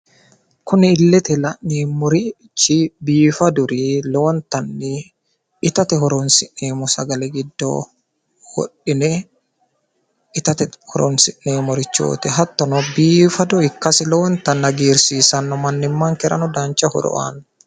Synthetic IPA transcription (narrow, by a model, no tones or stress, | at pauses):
kʊnɛɪlːɛt̪ɛlɐʔnimɔɾi | t͡ʃːbiːfɐd̪ʊɾilɔnt̪ɐnːi | ɪt̪ɐt̪ɛhɔɾɔnsɪʔneːmɔsɐɡɐlɛɡɪd̪ːo̰ː | wɔ̰ɗːɪnɛ | ʔɪt̪ɐt̪ɛhɔɾɔnsɪʔneːmɔɾɪt͡ʃːo̰ːt̪ɛɦɐt̪ːɔnɔbiːfɐd̪ɔɪkːɐsɪlɔwnt̪ɐnːɐɡiːɾsiːsɐnːɔmɐnːɪmːaŋkɛɾɐ̰nɔd̪aːɲt͡ʃɐhɔ̰ɾɔ̰ʔa̰ːnɐ